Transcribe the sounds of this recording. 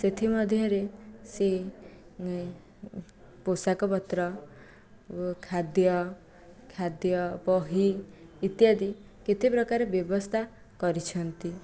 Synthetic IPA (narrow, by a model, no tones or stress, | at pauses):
set̪ʰimɔd̪ʱjɔɾese | posakɔpɔt̪ɾɔ | kʰad̪jɔ | kʰad̪jɔpɔɦiːt̪jad̪i | kit̪ʰipɾɔkaɾebjɔbɔst̪ʰa | kɔɾit͡ʃʰɔnt̪i